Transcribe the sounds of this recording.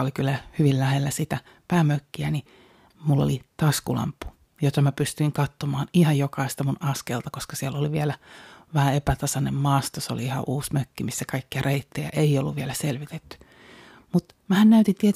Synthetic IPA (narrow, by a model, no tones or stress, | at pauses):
olikylːæhyʋillæhelːæsit̪æ | pæːmøkːiæni | mulːo̰lit̪ɑskulɑ̰mpːu̥ | jot̪ɑmæpyst̪yiŋkɑt̪ːomɑːnihɑjjokɑist̪ɑmunɑskeːlt̪ɑkoskɑsielːoliʋielæʋæhæepæt̪ɑsɑnemmɑːst̪oseo̰liihɑ̰ʔuːsmøkːimisːækɑikːiɑreit̪ːejɑ̰ʔeiolːuʋʋielæselʋit̪et̪ːy̥ | mut̪ | mæhænnæyt̪int̪iet̪